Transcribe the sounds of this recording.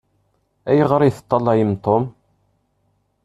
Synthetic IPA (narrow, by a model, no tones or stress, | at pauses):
æjəʁɾˤiθə̥t̪ˤːɑlˤːɑjimt̪ˤːom